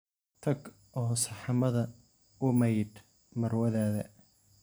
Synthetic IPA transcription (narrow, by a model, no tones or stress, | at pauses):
t̪ʰɐɡ | ʔɔːsɑħɑmɐðɐ | ʊmɐjɖ | mɐrwɐðaːðɐ